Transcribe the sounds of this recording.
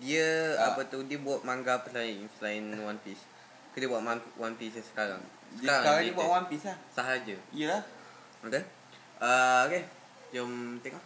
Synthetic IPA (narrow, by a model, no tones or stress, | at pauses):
diəapət̪udiəbuat̪̚maŋɡapəslaɪŋsəlainwanpis | kədiəbuaʔ̚manwanpisjasə̥kaɾa̰ŋ | sə̥kaɾaŋɾadiəbuaʔwanpislahsaɦaɾad͡ʒəijəlah | oke | ʔəoke | d͡ʒəmt̪eŋɔʔ